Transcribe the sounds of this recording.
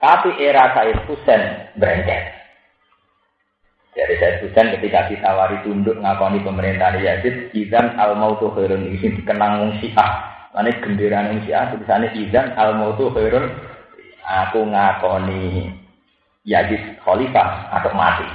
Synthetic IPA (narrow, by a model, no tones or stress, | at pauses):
t̪apiʔeɾasajət̪̚pusɛnbɾɛŋkɛ̰t̪̚ | d͡ʒ̥adisajɪt̪̚pusɛnkət̪ikasit̪awaɾit̪undʊʔŋakɔnipəməɾint̪ahnejad͡ʒɪt̪̚iðanalmaut̪uheɾʊnisikənaŋʊŋsiʔahma̰neɡ̥əmbiɾanuŋsiʔa̰hsupisaneʔiðanalmout̪uheɾʊn | akuŋakɔni | jad͡ʒɪt̪̚hɔlisa̰a̰t̪ɔʔma̰t̪i